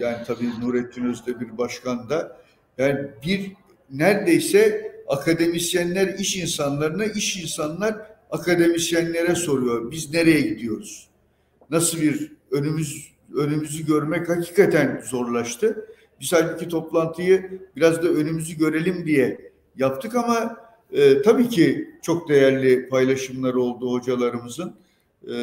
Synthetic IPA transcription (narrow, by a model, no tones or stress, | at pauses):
jaːnit̪ʰabiːnuːɾɛt̪ʰːynøzd̪ɛbiɾbaʃkʰand̪a | jaːnibiɾ | næɾd̪e̞jsɛakʰad̪e̞misjænlʲæɾiʃinsanlˠaɾɯnaʔiʃinsanlˠaɾakʰad̪e̞misjænlʲe̞ɾɛso̞ɾujo̞ɾbizne̞ɾe̞jɛɟid̪ijo̞ɾuz̥ | nasɯlˠbiɾønymyz | ønymyzyɟø̞ɾmɛchacʰiːkʰat̪ʰænzo̞ɾlˠaʃt̪ʰɯ | bizhalʲbucit̪ʰo̞plˠant̪ʰɯjɯb̥iɾazd̪aø̞nymyzyɟø̞ɾe̞lʲimd̪ijɛ | japt̪ʰɯkama | ɯt̪ʰabiːcʰit͡ʃʰo̞k̚d̪e̞jæɾlʲɪpʰajlˠaʃɯmlˠaɾɯo̞lˠd̪uho̞d͡ʒalˠaɾɯmɯzɯn